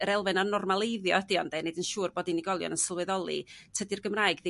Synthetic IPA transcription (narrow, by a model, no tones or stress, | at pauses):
əɾɛlˠvɨnanɔrmalˠeɨðjɔdiɔndenedənʃuːrboːdiniɡɔlˠjɔ̰nənsəlˠwɛðɔlˠḭtʰədirɡəmraːɨjɡði